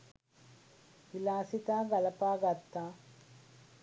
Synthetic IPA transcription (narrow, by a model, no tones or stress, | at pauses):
ʋilaːsit̪aːɡɐlɐpaːɡat̪ːaː